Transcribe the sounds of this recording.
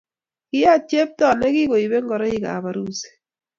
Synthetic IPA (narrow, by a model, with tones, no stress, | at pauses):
kɪ˦ja˦˨t͡ʃe˦p̚tɔ˦˨nɛ˦kɪ˦ko˨i˨be˦ŋɡɔ˨ɾɔ˦ɪ˦ka̰˨βa˨ɾu˦se̥˨